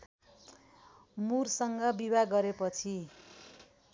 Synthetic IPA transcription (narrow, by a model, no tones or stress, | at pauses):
mursʌŋɡʌbibaɡʌɾepʌt͡sʰi